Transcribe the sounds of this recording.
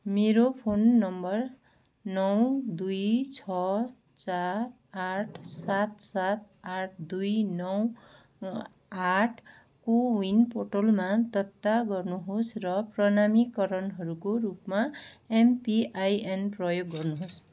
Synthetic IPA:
meɾopʰonːʌmbʌr | nʌwd̪ujt͡sʰʌ | t͡sa | aʈʰsat̪̚sat̪̚ | aʈʰd̪ujnʌw | aʈʰ | kowinpoʈolmat̪ʌt̪ːaɡʌrnuɦosrʌprʌnamikʌɾʌnɦʌɾukoɾupmaempiʔajenprʌjoɡːʌrnuɦos

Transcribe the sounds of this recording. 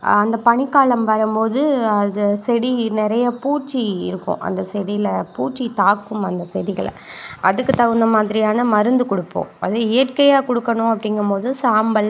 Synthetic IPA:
ɐnd̪ɐpɐɳɪkːaːɭɐmpɐɾɐmpoːðɯɐðɐsɛɽinɪɾɐjɐpuːʈt͡ʃːiɪ̰ɾɯkːʊ̰̃ʔɐ̰nd̪ɐsɛɽijɪlɐpuːʈt͡ʃːit̪aːkːɯmɐnd̪ɐsɛɽɪɣɐɭ̰ | ʔɐðɯkːɯt̪ɐɣɯnd̪ɐmaːðɪɾɪjaːnɐmɐɾɯnd̪ɯkɔɽɯpːõ̰ːɐðɯɪjɐʈkɐjaːkɔɽɯkːɐɳʊ̃ɐpːɐɽɪŋɡɐmpoːðɯsaːmbɐl

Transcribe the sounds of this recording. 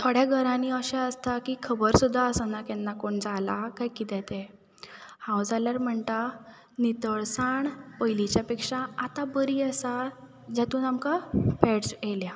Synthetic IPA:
t̪ʰoɽjaɡʱəɾãniːəɕaəst̪akiːkʰəbəɾsud̪ʱːaəsənakɛnːakoɳd͡zalakajkit̪ɛt̪ɛ̃ | hãwd͡zaljaɾm̤əɳt̪a | nit̪əɭsaɳpəjlit͡ɕjapekʂaat̪abəɾiːəsa | d͡ʑat̪uːnamkapɛʈselja

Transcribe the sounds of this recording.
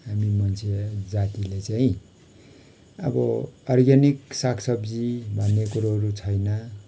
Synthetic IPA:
ɦamimʌnt͡sʰed͡zat̪ilet͡saĩ | ʌ̰bʌʌrɡaniksakʰsʌbd͡zibʱʌnːekuɾaɦʌɾut͡sʰʌjnʌ

